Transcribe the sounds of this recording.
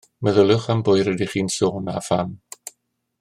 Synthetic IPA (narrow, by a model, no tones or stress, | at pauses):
məðəlʊχambʊɨɾɛdiχiːnsoːnafan